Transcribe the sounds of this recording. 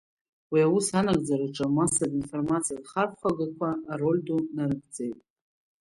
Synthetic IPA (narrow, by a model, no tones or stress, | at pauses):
wiawusanaɡ̚ʼd͡zaɾaʈ͡ʂʼamasadinformat͡sʰijadχarχχʷaɡakʷʰaːro̞lʲdunanɨɡd͡zejtʼ